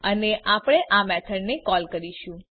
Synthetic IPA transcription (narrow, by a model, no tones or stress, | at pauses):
əneʔʔapɽ̃eʔamɛt̪ʰəɽnekɔlkəɾiʃũ